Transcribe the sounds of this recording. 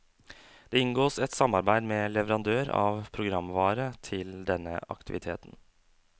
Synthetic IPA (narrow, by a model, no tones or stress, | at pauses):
d̪̥eːɪŋɡoːsɛt̪sɑmɑɾbæɪd̪mɛːlɛʋəɾɑnd̪øːɾɑ̰ːʋpʰɾʊɡɾɑmːʋɑːɾət̪ʰɪld̪ɛnːə̰ʔɑ̰kt̪ɪʋɪt̪ʰeːt̪n